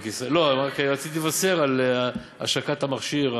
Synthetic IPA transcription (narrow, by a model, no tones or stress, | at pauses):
kiselo̞makeʁat͡sit̪iivase̞ʁal | a̰ʃakat̪hamaχʃiʁ